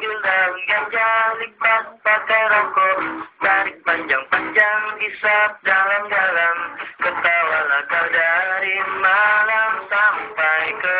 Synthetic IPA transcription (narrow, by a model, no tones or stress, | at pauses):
ɡildamɡaɲd͡ʒalipatpakaɾakɔt̪aɾik̚paɲd͡ʒaŋpaɲd͡ʒaŋisap̚dalamd͡ʒalamkət̪awalakaldaɾimalamsampajkə